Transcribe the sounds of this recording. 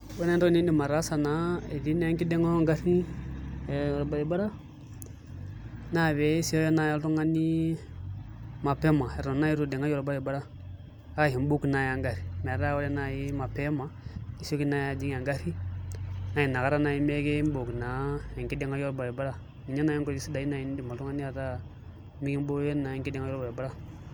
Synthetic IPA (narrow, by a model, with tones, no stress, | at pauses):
we˦ne˦n˦ɾo˦ni˦ndi˨ma˨ɾa˦sa˨na˨˦e˨di˦ne˦ki˦de˦ŋo˦ŋɡa˦ɾni˦˨ | jo˨ɾba˨ɾi˨ba˦ɾa˦ | na˦we˨˦si˦o˦jo˦na˨ja˦ltu˦ŋa˦ni˦ | ma˨pe˦ma˨e˨ɾo˨na˦i˦ɾu˨de˨ŋa˦jo˨ɾba˦ɾi˨ba˦ɾa˦ | a˦˨hi˨m˦bo˦kna˨ja˨ŋɡa˨ɾi˨me˨ɾa˦wo˦ɾe˦na˨ji˦ma˨pe˦ma˨i˦so˦ki˦na˦ja˨d͡ʒi˦ŋ˦a˨ŋɡa˦ɾi˦ | na˨ji˨na˨ka˦ɾa˦na˨ji˦me˦ɡe˦bo˨kna˨˦e˨ŋki˦de˨ŋa˦jo˦ɾba˨ɾi˨ba˦ɾa˦ | mi˨ɲa˦na˨˦ji˦ko˨i˦si˦da˨i˦na˨i˨n˦di˨ma˨tu˦ŋa˦ni˦a˨ɾa˦ | mi˦ɡi˦m˦bo˦je˦na˨je˨ŋki˦de˨ŋa˦jɔ˦ɾba˨ɾi˨ba˦ɾa˦